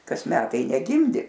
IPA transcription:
ˈkɐs ˈmʲæːtɐɪ nʲɛˈɡʲɪmʲdʲɪ

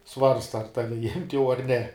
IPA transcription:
ˈsʋɐrstɐ ɐr ˈtɑːʋʲɪ jɪmʲtʲ jɛʊ ɐr nʲɛ

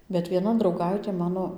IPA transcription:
bʲɛt ʋʲiɛˈnɐ drɐʊˈɡɐɪtʲeː ˈmɑːnoː

